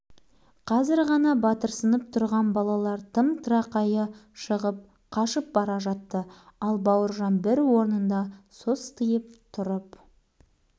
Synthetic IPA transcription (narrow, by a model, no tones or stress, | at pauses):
qʰɑzɪɾʁɑnɑbɑt̪əɾsənəp̚t̪ʰʊɾʁɑnbɑlˠɑlˠɑɾt̪ʰəmt̪ʰɾɑqɑjəʃəʁəp̚ | qʰɑʃəp̚bɑɾɑʒɑt̪ːəɑlˠbɑwəɾʒɑnbɪɾwo̞ɾnənd̪ɑsost̪ʰəjəp̚t̪ʰʊɾəp